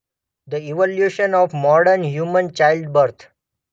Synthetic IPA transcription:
d̪əiʋɔljuːʃə̃nɔːʋmɔːɖəɾnɦjuːmə̃nt͡ʃaɪlɖbəɾt̪ʰ

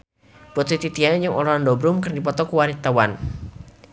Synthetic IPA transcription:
pɔt̪it̪it̪iad͡ʒəŋʔɔ̰lɔandɔbɾʊmkərdipɔt̪ɔkuwaɾit̪awan

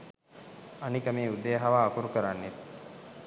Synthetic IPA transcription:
anikəmeːud̪eːɦaʋaːkuɾukəɾanːet̪̚

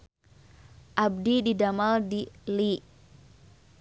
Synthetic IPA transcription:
ʔab̚dididamaldili

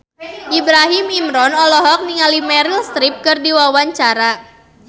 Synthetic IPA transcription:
ʔibɾaɦimimɾɔnɔlɔɦɔk̚niŋalimɛɾilst̪ɾip̚kɨrdiwawaɲt͡ʃaɾa

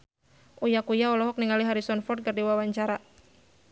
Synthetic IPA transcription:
ʔujakujaɔlɔɦɔk̚niŋaliɦaɾisɔnfɔrt̪̚kɨrdiwawaɲt͡ʃaɾa

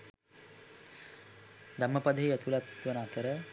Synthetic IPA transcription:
d̪amːəpad̪əɦiæt̪ulat̪ʋənəat̪əɾə

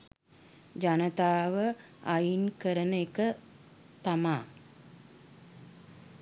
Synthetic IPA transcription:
d͡ʒanət̪aːʋə | ajinkəɾənəekə | t̪amaː

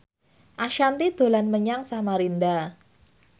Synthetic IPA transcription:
ʔaʃant̪id̪̥o̤lanməɲaŋsamaɾind̪a

